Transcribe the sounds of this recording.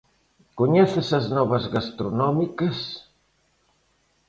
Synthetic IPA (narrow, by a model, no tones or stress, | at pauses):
kuɲɛθɪsɐznɔβɐzɣast̪ɾunɔmikɐs